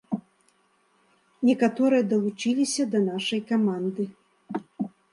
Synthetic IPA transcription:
nʲɛkat̪ɔɾɨjɐd̪ɐlˠut͡ʂilʲisʲɐd̪ɐnaʂɐjkamand̪ɨ

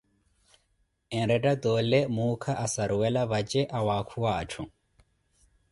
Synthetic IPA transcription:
ẽɾeɖɐd̪oːlemuːkʰɐʔɐsɐɾuwelɐʋɐd͡ʑeʔɐwaːkʰuwaːʈ͡ʂʰũ

